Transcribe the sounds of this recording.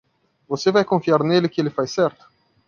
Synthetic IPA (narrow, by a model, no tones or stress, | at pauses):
vosevajkõfiaɾnelɪkɪelɪfajsɛɾt̪ʊ̥